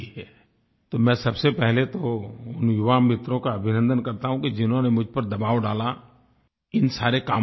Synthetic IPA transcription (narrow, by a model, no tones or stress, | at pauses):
ɦɛ | t̪oːmɛ̃ːsɐbsepɛɦlet̪oʊnjʊʋaːmːɪt̪ɾõkaɐbʱɪnə̃nd̪ənkɐɾt̪aɦũkid͡ʒɪnɦõnemʊd͡ʒʱpɐɾd̪ɐbaːʋɖaːla | ɪnsaːɾekaː